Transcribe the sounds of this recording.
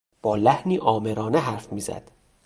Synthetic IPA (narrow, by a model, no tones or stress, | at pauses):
b̥ɒːlæhniːʔɒːme̞ɾɒːneɦæɾfmiːzæ̰d̪̥